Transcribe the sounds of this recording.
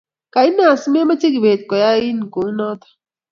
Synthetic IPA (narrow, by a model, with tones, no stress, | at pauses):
ka˨i˦naː˦˨sme˦ma˦t͡ʃi˦ɡi˨beː˨t̪̚kɔ˨ja˦i˦nku˨˦nɔ˦t̪ḁ˨